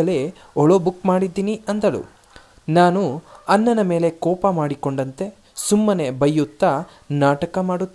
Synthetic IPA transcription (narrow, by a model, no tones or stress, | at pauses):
ɐle̞ | ɔɭobukːmaːɽid̪ːiːniɐnd̪ɐlṵ | naːnuɐnːɐnɐme̞ːle̞kɔːpɐmaːɽiko̞ɳɖɐnt̪e̞ | sumːɐne̞bɐjːut̪ːɐ | naːʈɐkɐmaːɽut̪ː